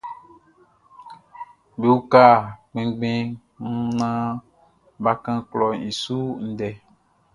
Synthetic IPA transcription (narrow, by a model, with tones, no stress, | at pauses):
be˨wu˦ka˦˨k͡pẽ˨ɡ͡bẽ˦ | nũ˦nã˦ | ba˦kã˦klɔ˨ĩ˨su˦n̩˨dɛ˨